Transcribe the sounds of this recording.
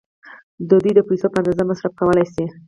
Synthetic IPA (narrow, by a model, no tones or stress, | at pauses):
d̪əd̪ujd̪əpajsopəand̪azamasɾafkawəlajse